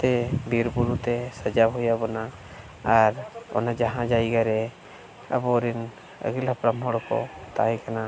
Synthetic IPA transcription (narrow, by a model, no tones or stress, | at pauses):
t̪ɛbiɾbuɾut̪ɛsəd͡ʒaɦujabɔnaː | ɾɔ̰nad͡ʒaɦãd͡ʒajɡaɾɛ | ə̰bɔɾin | ə̰ɡilapɾamɦɔɽkɔ̰t̪ajkana